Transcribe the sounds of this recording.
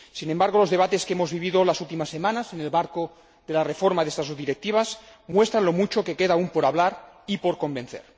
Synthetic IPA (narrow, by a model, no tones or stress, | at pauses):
sinembaɾɣ̞o̞lo̞zðe̞β̞at̪e̞skeemo̞zβiβ̞iðolasult̪imasːe̞mãnasenelβaɾko | ðe̞larefoɾmaðest̪azoðiɾek̚t̪iβ̞asmwe̞st̪ɾanlo̞mut͡ʃo̞ke̞keðaumpoɾaβlaɾ | ipoɾko̞mbe̞nθḛɾ